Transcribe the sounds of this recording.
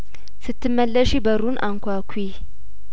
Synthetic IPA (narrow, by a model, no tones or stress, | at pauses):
sɨt̪ʰːɨmːəlːəʃibəɾunʔa̰ŋkʷakʷʰi